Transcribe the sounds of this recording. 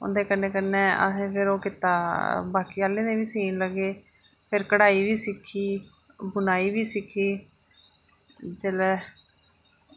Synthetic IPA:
ʊ̰nd̪eːkənːeːkənːeːə̰sẽːpʰɪɾoːkɪt̪aːbaːkiːaːleːnẽːʋiːsiːnləɡeː | pʰɪɾkəɽaːiːʋiːsɪkʰːiː | bʊnaːiːʋiːsɪkʰːiː | d͡ʒeːlɛː

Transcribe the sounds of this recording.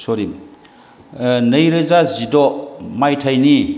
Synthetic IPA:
sɔɾim | nɐjɾɯzazidɔmajtʰajni

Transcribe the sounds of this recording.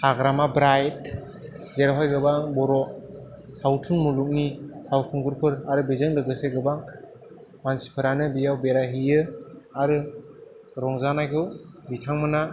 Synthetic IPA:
haɡɾamabɾajt̚ | zeɾaɦajɡɯbaŋbɔɾɔ | sawtʰunmuluk̚nipʰawpʰuŋɡɯɾpʰɯɾaɾɯbezɯŋlɯɡɯseɡɯbaŋ | mansi̥pʰɯɾanɯbijawbeɾaɦijɯaɾɯ | ɾɔŋzanajkʰɯw | bitʰaŋmɯna

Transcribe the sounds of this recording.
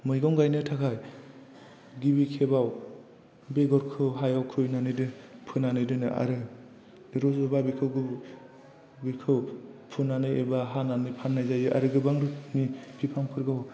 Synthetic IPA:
mɯjɡɔŋɡajnɯtʰakʰaj | ɡibikʰebaw | beɡɔɾkʰɯɦajawkʰɯjnanɯjdɯpʰɯnanɯjdɯnɯʔa̰ɾɯ | ɾɔzɔbabikʰɯwɡɯ | bikʰɯwpʰɯnanɯjebaɦananɯjpʰanːajzajɯʔa̰ɾɯɡɯbaŋɾɯmipʰipʰaŋpʰɯɾɡaw

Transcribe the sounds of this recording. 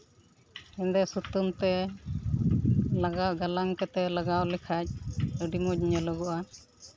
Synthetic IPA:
ɛnd̪ɛsut̪umt̪ɛ | laɡaʔɡalaŋkɛt̪ɛlaɡawlɛkʰac̚əɖimɔc̚ɲələɡɔʔa

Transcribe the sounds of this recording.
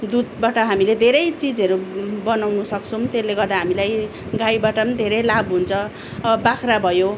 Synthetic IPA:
d̪ud̪̚baʈʌɦamiled̪ʱeɾʌjt͡sid͡zʌɾubʌnawnusʌkt͡sʰʌm̃t̪elːeɡʌrd̪aɦamilaj | ɡajbaʈʌd̪ʱeɾʌjlabɦunt͡sʰʌ | ʌbakʰɾabʱʌjo

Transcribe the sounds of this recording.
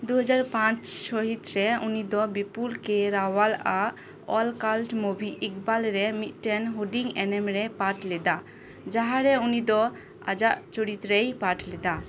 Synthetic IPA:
d̪uɦɔd͡ʒaɾpãt͡ʃʃɔɦit̪ɾɛunid̪ɔbipulkɛɾawala | ɔlkalʈmobʱiʔikbalɾɛmit̪̚ˀʈɛnɦoɖiŋɛnɛmɾɛpaʈlɛd̪a | d͡ʒaɦaɾɛunid̪ɔ | a̰d͡ʒaʔt͡ʃoɽit̪ɾejpaʈlɛd̪a

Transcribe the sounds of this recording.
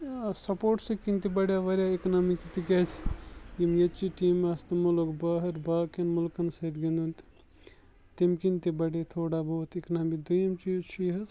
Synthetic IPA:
sɐpoːʈsɐkint̪ibɐɽjaʋɐɾjaiknamikit̪ikɛt͡ʃʰjimjet͡ʃiʈiːmːast̪ɐmulokbaɦɐɾbaːkenmulkɐnsɐt̪ɡind̪unt̪ | t̪imkint̪ibɐɽet̪ʰoːɽabout̪iknamid̪ujɐmt͡ʃit͡ʃʰiɦɐz

